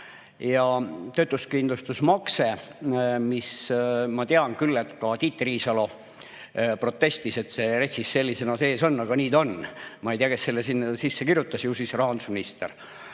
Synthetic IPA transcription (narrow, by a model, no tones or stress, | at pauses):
jɑt̪ø̞t̪ˑuskind̪lust̪usmɑkse̞ | mismɑt̪eɑnkylːe̞t̪kɑt̪iːt̪ːeriːsɑlo̞ | pro̞t̪ːˑe̞st̪ise̞t̪se̞resisːe̞lʲːise̞nɑse̞ːso̞nːɑɡ̥ɑniːd̪o̞nmɑejt̪iɑkesselːesinːsisːekirjut̪ːˑɑsjusisrɑɦɑnd̪u̥sminist̪ḛr